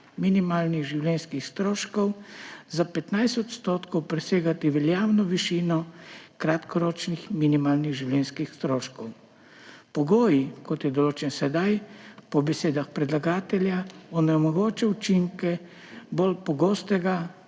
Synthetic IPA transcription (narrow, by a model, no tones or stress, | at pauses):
minimaːlniɣʒiwlɛnskixst̪ɾoːʃkɔwzapɛt̪najst̪ɔt̪st̪oːt̪kɔwpɾɛseːɡat̪iʋɛljaːwnɔʋiʃiːnɔkɾat̪kɔɾoːt͡ʃnixminimaːlniɣʒiwlɛnskixst̪ɾoːʃkɔw | pɔɡoːjikɔt̪jɛd̪ɔloːt͡ʃɛnsɛd̪ajpɔbɛseːd̪axpɾɛd̪laɡaːt̪ɛljaɔnɛmɔɡoːt͡ʃɛut͡ʃiŋkɛ | bolpɔɡoːst̪ɛɡa